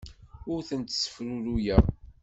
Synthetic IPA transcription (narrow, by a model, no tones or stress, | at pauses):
ʊɾθənt̪sə̥fɾuɾujæ